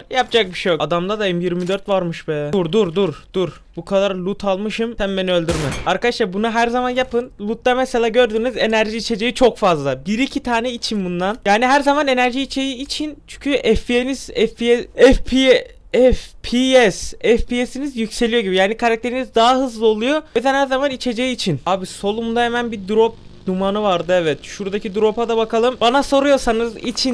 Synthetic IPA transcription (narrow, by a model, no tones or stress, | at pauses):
japd͡ʒak̚biʃejoad̪amd̪ad̪ajɯmjiɾmid̪ø̞ɾt̪vaɾmɯʃbɛuɾd̪uɾd̪uɾd̪̥uɾ | bukʰad̪aɾlʲˠut̪ʰalˠmɯʃɯmt̪æmbeniø̞lʲd̪yɾmɛaɾkʰad̪aʃlˠaɾbunaɦæɾzamanjapɯnlˠut̪̚ːameselʲaːɟø̞ɾd̪yːnizenæɾʒiːt͡ʃʰe̞d͡ʒejit͡ʃʰokfazlˠabiɾicʰit̪ʰaːnɛit͡ʃʰinbund̪anjaːniɦæɾzamane̞næɾʒiːt͡ʃʰe̞jiːt͡ʃʰint͡ʃʰyɲcʰyʔɛfpieniz̥ɛfpiɛɛfpʰi | ɛfpʰiɛsɛfpiesinizjycse̞lʲijo̞ɟibijaːnikʰaɾak̚t̪ʰe̞ɾinizd̪aɦaɦɯzlˠɯo̞lˠujo̞ed̪ɛnhæɾzamanit͡ʃʰe̞d͡ʒejiːt͡ʃʰinaːbiso̞lˠumd̪aɦemænbid̪uɾop̚numanɯvaɾd̪ɯɛvɛt̪ʃuɾd̪acʰid̪uɾo̞pad̪abakʰalˠɯmbanaso̞ɾujo̞sanɯzḭt͡ʃʰi